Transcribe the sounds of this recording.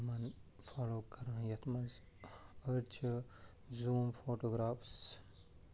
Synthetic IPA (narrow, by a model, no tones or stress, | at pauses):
mɐn | faːloːkɐɾãːjɐt̪ʰmɐz | əɾt͡ʃʰ | zuːmfoːʈoːɡɾaːfs